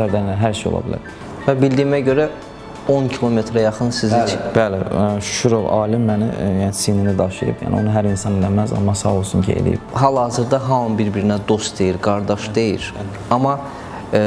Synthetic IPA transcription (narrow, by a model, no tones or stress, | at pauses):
æɾd̪æɾinæɦæɾʃejo̰lˠɑ̰bilæ̰ɾ | væbild̪iːmæɟø̞ɾæ | o̞ncʰilˠo̞me̞t̪ɾæjɑχɯnsizib̥ælɪʃʃuɾoɑːlimːænijænisininid̪ɑʃḭɾɯ̰bjæ̰ːnio̞̰nuɦæɾinsɑnelæmæzɑ̰mːɑsɑ̰olˠsuncʰiḛlḭjḭb̥ɦælˠhɑːzɯɾd̪ɑɦɑmɯnbiɾbiɾinæd̪o̞st̪d̪e̞jiɾɡɑɾd̪ɑʃd̪e̞jḭɾ | ɑmɑ